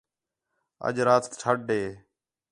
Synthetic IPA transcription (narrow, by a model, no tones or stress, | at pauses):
ə̰ʄɾaːt̪ʈʰəɖeː